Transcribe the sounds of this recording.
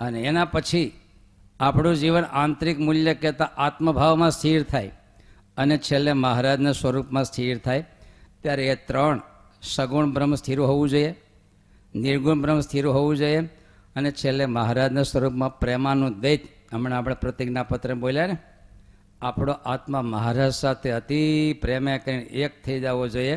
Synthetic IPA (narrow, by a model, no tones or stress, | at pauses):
əneːnapət͡ʃʰi | apɳ̃ũd͡ʒiʋənãnt̪ɾikmuljəkɛt̪aʔat̪məbʱaʋmãst̪ʰiɾt̪ʰaj | ənet͡ʃʰelːeməɦɾad͡ʒnesʋəɾupmãst̪ʰiɾt̪ʰajt̪jaɾeet̪ɾəɳ | səɡuɳbɾəmst̪ʰiɾoɦoʋũd͡ʒoie | nɪɾɡuɳbɾəmst̪ʰiɾoɦoʋũd͡ʒoje | ənet͡ʃʰelːeməɦaɾad͡ʒnasʋəɾupmãpɾɛmanũd̪ed͡ʒəmɳeapɽ̃ẽpɾət̪iɡnapət̪ɾəboljane | apɽoʔat̪məməɦaɾad͡ʒsat̪ʰeət̪ipɾemekəɾinek̚t̪ʰəid͡ʒaʋod͡ʒoje